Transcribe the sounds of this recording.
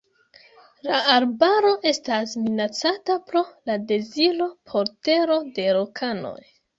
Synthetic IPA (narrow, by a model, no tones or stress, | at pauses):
laaɾbaɾo̞ʔe̞stasminat͡satapɾo̞lade̞zilo̞pʰo̞ɾte̞ɾo̞de̞ɾokʰano̞̰j